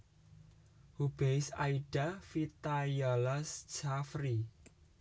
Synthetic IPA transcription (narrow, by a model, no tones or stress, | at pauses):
hub̥ejsa̰iɖ̥afit̪ajalasd͡ʒafɾi